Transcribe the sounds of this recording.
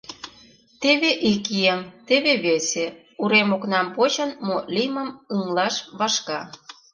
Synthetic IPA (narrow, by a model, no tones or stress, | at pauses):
t̪eβeʔikiəmt̪eβeβese | uɾemoknɑmpot͡ɕənmolimə̆mɯŋlɑʃβɑʃkɑ